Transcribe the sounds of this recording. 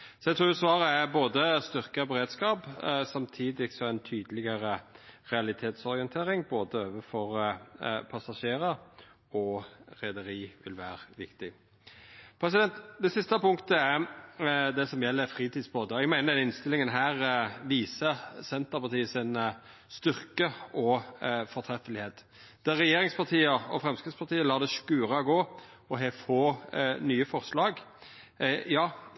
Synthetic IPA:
sɔɛt̪ɾuːjʊsʋɑːɾəæɾboːd̪əst̪ʏɾkəbɛɾeːd̪skɑːpsɑmt̪ʰiːd̪ɪksɔæɪnt̪ʰyːd̪əlɪɡəɾəʁɛɑlɪt̪ʰeːt̪sɔɾɪənt̪ʰeːɾɪŋboːd̪əøːʋəfɔɾ | pʰɑsɑʃeːɾə | ɔɾɛd̪əɾiːʋɪlʋæ̰ːɾəʋɪkt̪ɪ | pʰɾɛs̬ɪd̪ɛnt̪d̪ɛsɪst̪əpʊŋkt̪əæɾ | d̪ɛsɔmjɛlːəɾfʁiːt̪iːd̪sboːd̪əɔɛɡmæɪnəɾd̪ɛɪnst̪ɪlɪŋənɦæːʁʋiːsəsɛnt̪əʁpɑʁt̪ʰiːəsɪn | st̪ʏʁkəɔfɔɾt̪ʰɾɛfəlɪheːt̪ | d̪̥æʁːɛjeːɾɪŋspɑt̪ʰiːəɔfʁɛmskɪspɑʁt̪ʰiːəlɑːd̪ɛskʉːʁɑɡoːɔɦeːfoːnyːəfɔʁslɑːɡ | jɑː

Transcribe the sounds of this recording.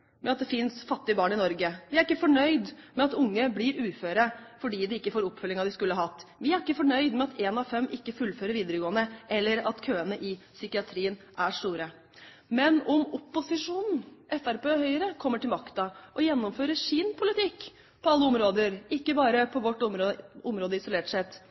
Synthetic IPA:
mɛɑt̪̚d̪ɛfɪnsfɑt̪ːɪəbɑːɳɪnɔɾɡəʋɪæɾɪkːəfɔɳœʏd̪mɛɑt̪ʊŋːəblɪɾʉːføːɾəfɔɖiːd̪ɛɪkːəfoːɾɔpːfœlːɪŋɑd̪ɪskʉlːəhɑɦɑt̪ːʋɪæɾɪkːəfɔɳœʏd̪mɛɑt̪eːnɑʋfɛmːʔɪkːəfʉlːføːɾəɾʋiːd̪əɾəɡoːənəʔɛlːəɾɑt̪kʰøːənəʔɪ | sʏkɪɑt̪ʰɾiːən | ʔæʂʈ̪uːɾə | mɛnɔmɔpːʊsɪʂuːnn̩ʔɛfæɾpeːhœʏəɾəkʰɔmːəʈɪlmɑkt̪ɑʔɔjɛnːɔmføːɾəʂɪnpʰʊlɪt̪ʰɪkː | pʰɔɑlːəɔmɾoːd̪əɾɪkːəbɑːɾəpʰɔʋɔʈːɔmɔmɾoːd̪əɪsʊleːʈʂɛt̪ː

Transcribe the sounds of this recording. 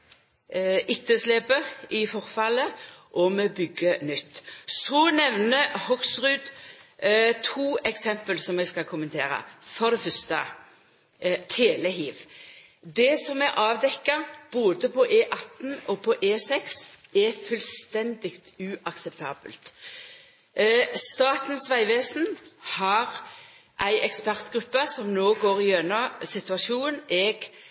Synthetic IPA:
ɪt̪ːəsleːpəɪfɔʁfɑləʔɔmɛbʏɡːənʏt̪ːsɔnɛʋnəhɔɡsʁʉːd̪ | t̪ʰuːɛksɛmpəlsɔmɛɡskɑkʰʊmənt̪ʰeːɾə̰fɔʁd̪ɛfœst̪ə | t̪ʰeːləɦiːʋ | d̪ɛsɔmɛʔɑːʋd̪ɛkːəʁb̥oːd̪əpʰɔʔeːʔɑt̪n̩ɔpʰɔʔeːsɛksɛfʉlst̪ɛnd̪ɪkt̪ʉʔɑksɛpt̪ʰɑːbə̰lt̪ | st̪ɑːt̪nsʋæɪʋeːsnhɑʁ | ʔæɪʔɛkspæʁt̪ɡ̥ʁʉpːəsɔmnoːɡoːʁɪjœnɔsɪt̪ʉɑʃuːnʔɛɡ

